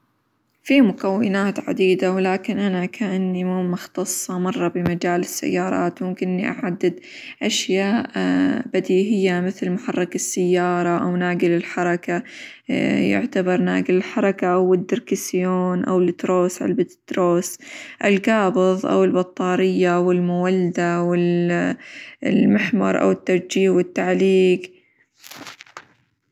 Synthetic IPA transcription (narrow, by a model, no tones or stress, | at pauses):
fiːmʊkawːɪnaːt̪ʕa̰d̪iːd̪awlaːkɪnʔanakʰaʔanːimmːʊxt̪ɑsˤːɑmɑrˤːɑbɪmad͡ʒaːlɪsːa̰jːɑːɾˤɑ̰ːt̪mʊmkɪnʔnːiʔa̰ʕad̪ːɪd̪ | ʔaʃjaːʔbad̪iːɦɪjːamɪθlmʊħɑrˤːɑkasːajːɑːɾˤɑʔawnaːɡɪlɪlħɑɾˤɑka | jʊ̰ʕt̪abɑɾˤna̰ːɡɪlɪlħɑɾˤɑkaʔawɪd̪ːɪɾkɪsjoːnʔa̰wɪlɪt̪ːɾoːsʔa̰lbɪt̪d̪̥ɾoːsʔɪlɡɑːbɨðˤʔa̰wɪlbɑt̪ˤːɑːɾɪjːawɪlmʊwald̪awɪl | lmɪħmɑ̰ɾˤʔa̰wɪt̪ːaɾd͡ʒiːhwɪt̪ːaʕliːɡ